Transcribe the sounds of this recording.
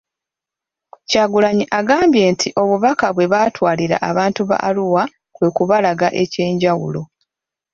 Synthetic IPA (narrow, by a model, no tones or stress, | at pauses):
caːɡulaɲiʔaɡaːmbje̞ːntʰiʔo̞βuβakaβwe̞βatwaːliɾa̰ʔaβaːntuβa̰ʔaluwa | kwe̞ːkuβalaɡaʔe̞ce̞ːɲɟawṵlo̞